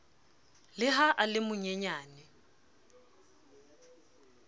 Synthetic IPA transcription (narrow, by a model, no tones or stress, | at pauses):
lɪɦaʔalɪmʊɲɛɲaːnɪ